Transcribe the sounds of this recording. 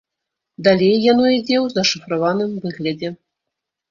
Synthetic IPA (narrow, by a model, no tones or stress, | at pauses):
d̪alʲejːanɔid͡zʲɛwzɐʂɨfɾavanɨmvɨɣlʲɐd͡zʲɛ